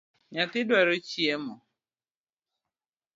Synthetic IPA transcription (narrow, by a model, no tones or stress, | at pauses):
ɲatɪdeɾot͡ʃiemʊ